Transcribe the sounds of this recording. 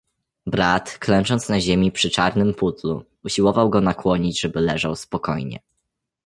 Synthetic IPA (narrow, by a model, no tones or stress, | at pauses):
bɾat̪klɛnt͡ʂɔnt̪snaʑemʲipʂɘt͡ʂaɾnɘmput̪lṵː | ɕiwɔvawɡɔnakwɔɲid͡ʑʐɛbɘlɛʐawspɔkɔjɲɛ̰